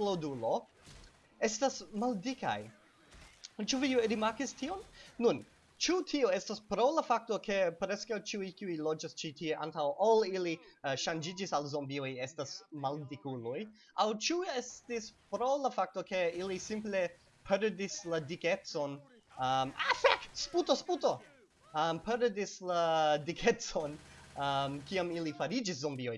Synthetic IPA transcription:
lodulo̞ | estasmaldika̰j | t͡ʃuviɾimaɾkistʰionːun | t͡ʃutʰioestaspɾolafak̚tokʰe̞pɾeskawt͡ʃiujkiujlod͡ʒast͡ʃitʰieʔa̰ntawʔoliliʃand͡ʒid͡ʒisalzombiojestasmaldikuloj | awt͡ʃiestispɾo̞lafak̚to̞ke̞ilisimple̞ | pʰeɾdisladiket͡so̞n | əmafaksputosputo | əmpʰeɾdisladikʰet͡so̞nəmkiamilifaɾid͡ʒis̬zombioj

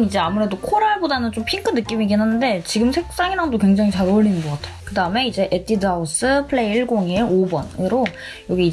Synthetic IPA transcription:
mid͡ʑe̞amuɾe̞dokʰoɾaɭbodanɯnt͡ɕompʰiŋkʰɯnɯk͈imiɡenanːɯnde̞t͡ɕiɡɯmsʰek̚s͈aŋiɾadokwe̞ŋd͡ʑaŋit͡ɕaɾooɭːinɯnɡʌk͈atʰe̥jokɯdaɯme̞id͡ʑe̞ʔet͈ʰidaus͈ɯpʰɯɭeiiɭɡoŋieobʌnɯɾo | jʌɡiː

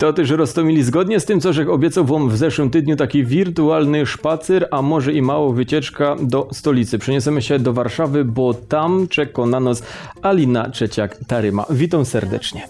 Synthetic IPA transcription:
t̪ɔt̪ɛʂɾɔst̪ɔmʲilʲizɡɔd̪ɲɛst̪ɘmt̪sɔʐɛxɔbʲjɛt̪sawvɔmvzɛʂwɘmt̪ɘd̪ɲut̪akʲivʲiɾt̪ualnɘʂpat̪sɛɾamɔʐɛimawɔvɘt͡ɕɛt͡ʂkad̪ɔst̪ɔlʲit̪sɘpʂɛɲɔsɛmɘɕɛd̪ɔvaɾʂavɘbɔt̪amt͡ʂɛkɔnanɔsalʲinat͡ʂɛt͡ɕakt̪aɾɘma̰vʲit̪ãmsɛɾd̪ɛ̰t͡ʂɲɛ

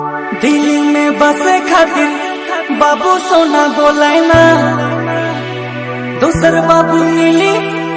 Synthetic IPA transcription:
d̪ilimẽbəsekʰaːt̪iɾ | baːbusoːnaboːlaːjna | d̪oːsəɾbaːbunili

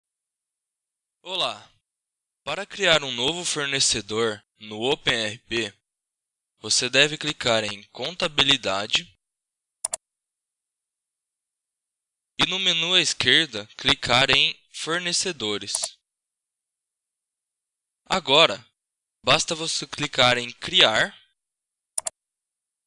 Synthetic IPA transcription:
ola | paɾɐkɾiaɾũnovʊfoɾnesed̪oɾ | nʊopẽɛhɪpe | vosed̪ɛvɪklikaɾẽj̃kõnt̪abilid̪ad͡ʒɪ | ɪnʊmenuɐɪskeɾd̪ɐklikʰaɾẽj̃ | foɾnesed̪oɾɪs | a̰ɡɔɾɐ | bast̪ɐvoseklikaɾẽj̃kɾiaɾ

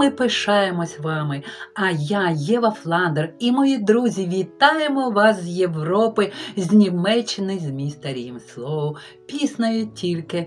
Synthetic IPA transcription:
ɪpɪʃɑjemɔsʲʋɑmɪɐjajɛʋɐflˠɑnd̪erimɔjid̪ɾuzʲiʋʲit̪ɑjemɔʋɑszjeʋrɔpɪzʲnʲimɛt͡ʃːɪnɪzʲmʲijst̪ɐɾʲijimslˠɔʋʊ | pʲisnɐjʊtʲʰilʲkɪ

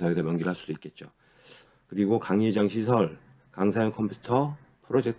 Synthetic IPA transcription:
sʰaedemjʌnɡiɭɦaɭs͈ud̥̪oik͈e̞t̚t͡ɕ͈o | kɯɾiɡokaŋed͡ʑaŋɕʰisʰʌɭ | kaŋsʰajʌnkʰʌmpʰutʰʌ | pʰɯɾod͡ʑe̞k̚tʰ

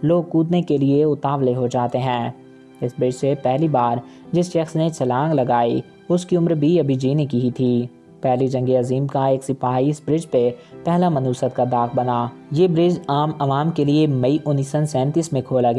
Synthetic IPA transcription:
loːɡ̚kuːd̪nekelieʊt̪aːʋleɦod͡ʒaːt̪eɦɛ̃ː | ɪsbɾɪd͡ʒsepɛɦlibaːɾ | d͡ʒɪsʃɐksnesɐlãːŋɡlɐɡaːi | ʊskiʊmɾbʱiɐbʱid͡ʒiːnikiɦit̪ʰiː | pɛɦlid͡ʒɐ̃ŋɡeɐziːmkaeːksɪpaːiɪsbɾɪd͡ʒpepɛɦlamɐnuːsət̪kad̪aːxbɐnaːjeːbɾɪd͡ʒaːmɐʋaːmkeliemɐiʔʊnːiːsə̃nsɛ̃ːnt̪ismẽkʰoːlaɡɛː

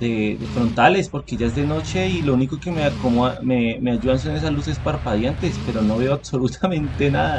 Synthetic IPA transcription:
d̪eðefɾo̞nt̪ale̞spo̞ɾke̞ʝae̞zðeno̞t͡ʃe̞ilo̞uniko̞ke̞meakommemeaʝuðans̬enes̬aluse̞spaɾpaðjant̪e̞spe̞ɾo̞no̞βe̞oaβso̞lut̪ʰamẽnt̪e̞naða

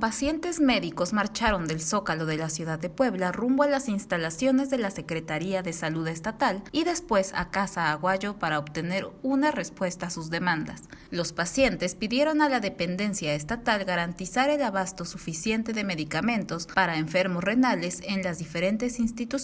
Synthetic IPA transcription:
pasje̞nt̪e̞zme̞ðiko̞zmaɾt͡ʃaɾo̞nd̪e̞lso̞kalo̞ðe̞lasjuðaðːe̞pwe̞βlarumboalasinst̪alasjo̞ne̞zðe̞lase̞kɾet̪aɾiaðe̞saluðest̪at̪aliðe̞spwe̞sa̰kasaːɣwaʝo̞paɾaoβt̪e̞ne̞ɾunare̞spwe̞st̪asuzðe̞mãnd̪a̰slo̞spasje̞nt̪e̞spiðje̞ɾo̞nalaðe̞pe̞nd̪e̞nsjaest̪at̪alɣaɾant̪isaɾe̞laβ̞ast̪o̞sufisje̞nt̪e̞ðe̞me̞ðikamẽ̞nt̪o̞spaɾaeɱfe̞ɾmosre̞nale̞se̞nlazðife̞ɾe̞nt̪e̞sinst̪it̪u

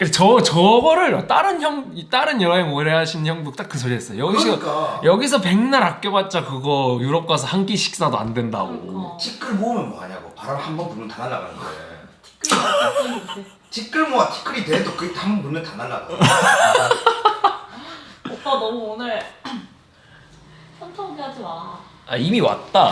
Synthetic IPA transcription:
kɯet͡ɕʌt͡ɕʌbʌɾɯɭwat͈aɾɯnçjʌŋit͈aɾɯnjʌɾʌɦeŋoɾeɦaɕʰinçjʌŋbuk̚t͈ak͈ːɯs̬ʰoɾies͈ʌjo̰jʌɡiʌk͈ajʌɡis̬ʰʌpe̞ŋnaɾak̚k͈jʌbat̚t͡ɕ͈akɯɡʌjuɾʌp̚k͈asʰʌhaŋk͈iɕʰi̥k̚s͈adoa̰ndwe̞nda̰ɡoo̰t͡ɕʰik͈ɯɭmoɯmɯnmoa̰ɲaɡo̰paɾamhambʌnpunmɯntananːa̰ɡa̰nɯnɡʌḛ | tʰi̥kʰɯ | e | t͡ɕʰik͈ɯɭmoatʰi̥kʰɯɾiteedokɯɡetʰahambʌnpunmɯntananːaɡa | ok͈anʌmuonɯɭ | sʰʌntʰʌŋad͡ʑimaa̰imiwa̰t̚t͈a

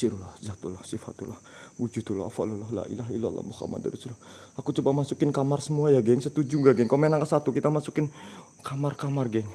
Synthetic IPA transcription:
siɾulahzat̪ulahsifa̰t̪ulahwud͡ʒut̪ula̰a̰falulaɦla̰ʔḭlaɦaila̰lːa̰muxa̰ma̰d̪a̰ɾisilaakut͡ʃubamasukɪnkamarsəmuajaɡɛŋsət̪ud͡ʒuɡaɡɛŋkamɛnaŋkasat̪ukit̪amasukɪn | kamarkamarɡɛŋ

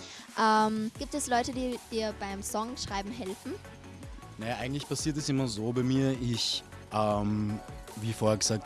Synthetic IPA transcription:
ʔɛːmɡ̥iːp̚tɛslɔʏtədiːd̥iːɐbaɪmsɔŋʃʁ̥aɪbm̩ɦɛlfn̩ | nɐjaːʔaɪɡŋ̩tlɪçpʰasiːɐtɛsɪmɐzoːbaɪmiːɐʔɪç | ʔɛːmviːfoːɐɛɐɡəz̥aːk̚t

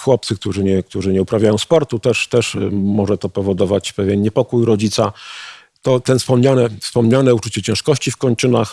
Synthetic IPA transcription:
xwɔp̚t̪sɘk̚t̪uʐɘɲɛk̚t̪uʐɘɲɛupɾavʲjajɔ̃w̃spɔɾt̪ut̪ɛʂt̪ɛʂmɔʐɛt̪ɔpɔvɔd̪ɔvat͡ɕpɛvʲjɛnɲɛpɔkujɾɔd͡ʑit̪sa | t̪ɔt̪ɛnfspɔmɲanɛfspɔmɲanɛut͡ʂut͡ɕɛt͡ɕɛ̃ʂkɔɕt͡ɕifkɔɲt͡ʂɘnax

